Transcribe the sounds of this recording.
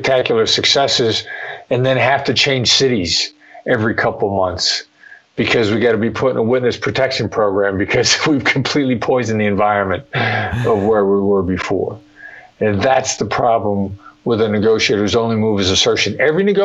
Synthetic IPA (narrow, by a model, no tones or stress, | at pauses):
k̚tʰækjl̩ˠə˞sɨksɛsɨzɨ̃nðɨ̃nɦæftɨt͡ʃʰẽɪ̃nʒ̥sɪɾiz̥ | ɛvɹikʰʌpl̩ˠmʌ̃nθs | b̥ɨkʰʌzwiɡɑɾɨbipʰʊɾɪ̃nəwɪtⁿnɨspʰɹ̥ɨtʰɛkʃɨ̃npʰɹ̥oʊɡɹæ̃mbɨkʰʌz̥wiv̥kʰm̩pʰl̥itˡlipʰɔɪzɨ̃n̩ðiɨ̃ɱvaɪɹɨ̃nmɨ̃ntʌvwə˞wiwə˞bɨfɔ̰ɹ | ɨ̃nðætsðəpʰɹ̥ɑblə̃mwɪðɨnɨɡoʊʃieɪɾə˞ɨzõʊ̃nlimuvɨzɨsɜ˞ʃɨ̃nɛvɹinɨɡo